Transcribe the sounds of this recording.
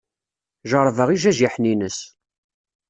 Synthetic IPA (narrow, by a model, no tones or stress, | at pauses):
ʒəɾˤvəʁiʒæʒiħninəs